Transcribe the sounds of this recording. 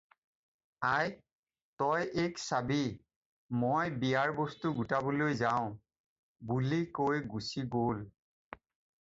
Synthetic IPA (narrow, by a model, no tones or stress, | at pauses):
aj | tɔjʔeksabi | mojbijaɹbɔstuɡutabolojzaʊ̃ | bulikojɡusiɡol